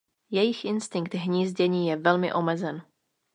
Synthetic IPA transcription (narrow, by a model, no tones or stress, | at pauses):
jɛjɪxʔɪnst̪ɪŋkt̪ɦɲiːzɟɛɲiːjɛvɛlmɪ̰ʔo̞mɛzɛn